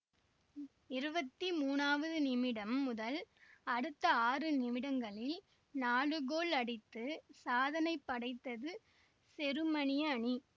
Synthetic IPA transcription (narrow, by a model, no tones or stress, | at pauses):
ɪɾɯbɐt̪ːimuːnaːʋɐðɯnɪmɪɽɐmːʊðɐlɐɽɯt̪ːɐaːrɯnɪmɪɽɐŋɡɐɭɪl | naːɭɯɣoːɭɐɽɪt̪ːɯsaːðɐnɐɪpːɐɽɐɪt̪ːɐðɯ | sɛɾɯmɐɳɪjɐɳi